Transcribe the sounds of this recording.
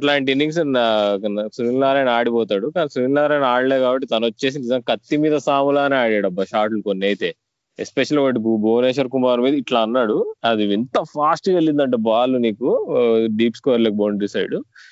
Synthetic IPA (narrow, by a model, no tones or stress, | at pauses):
ɐʈlaːɳʈ̬inːiŋɡs̬n | suɾiŋlaːɾaːjnaːɽipɔːt̪aːɽukaːnisiiŋlaːɾaːjnaːɽɐleːkaːbɐʈːit̪ɐnɐʋɐt͡ʃːe̞ːs̬inizɐŋɐkɐt̪ːimiːd̪ɐsaːmulaːneaːɽaːɽɐbːɐʃaːʈlukonːɐjt̪e̞ː | ḛspeʃɐlʋɐʈiboːneːʃ̬ɐɾkumaːɾmiːd̪ɐiʈlaːɐnːaːɽuɐd̪iʋint̪ɐpʰaːsʈkelːind̪ɐɳʈeːbaːlːuniːkuɖiːpskɔːɾlɐk̚boːɳɖɖisɐjɽu